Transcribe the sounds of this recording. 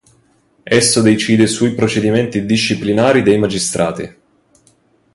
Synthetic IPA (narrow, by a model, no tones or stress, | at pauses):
ɛsːod̪et͡ʃiːd̪esujpɾot͡ʃed̪imɛnt̪id̪iʃːiplinaːɾid̪ejmad͡ʒist̪ɾʔa̰ːt̪ḭ